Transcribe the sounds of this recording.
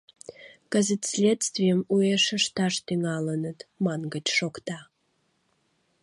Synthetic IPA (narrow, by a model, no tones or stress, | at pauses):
kəzət̪sʲlʲet̪st̪vʲijəmueʃəʃt̪ɑʃt̪yŋɑlənət̪mɑnɡət͡ɕʃokt̪ɑ